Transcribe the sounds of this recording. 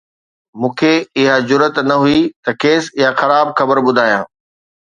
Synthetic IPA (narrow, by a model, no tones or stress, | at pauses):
mũːkʰeɪɦad͡ʑʊɾət̪nɐɦuit̪ɐkeːsɪjaxɐɾaːbxɐbəɾɓʊd̪ʱaːjã̰ː